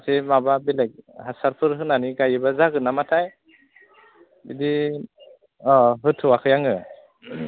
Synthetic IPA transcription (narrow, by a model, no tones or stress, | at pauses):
atʰemababilajk̚hasaɾpʰɯɾɦɯnaniɡajɯbazaɡɯnamatʰaj | bidi | ɔɦɯtʰɯwakʰɯjaŋɯ